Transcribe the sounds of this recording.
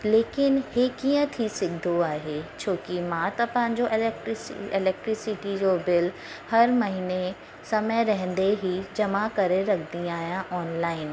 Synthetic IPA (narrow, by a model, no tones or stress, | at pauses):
leːkɪnɦekijə̃t̪ʰisɪɡʱd̪ʱoaːɦet͡ɕʰoːkimãt̪ɐpɐ̃ɦɪ̃ɲ̆d͡ʑoʔɪlk̚ʈɾɪsɪlɛːk̚ʈɾɪsɪʈid͡ʑoːbɪl | hɐɾmɐɦine | sɐməjɾɐɦə̃n̆d̪eɦid͡ʑɐmakɐɾeɾɐkʰd̪iaːɦijãʔɔːnlaːɪn